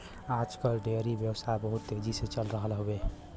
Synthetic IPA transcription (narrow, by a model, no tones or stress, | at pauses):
ad͡ʒkəlɖeɾibjəwsabəɦut̪ːed͡ʒiset͡ʃəlɾəɦəlɦobe